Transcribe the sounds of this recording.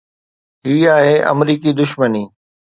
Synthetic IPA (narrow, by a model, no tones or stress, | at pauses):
ɦiːaːɦeʔɐ̰mɾiːkid̪ʊʃməniː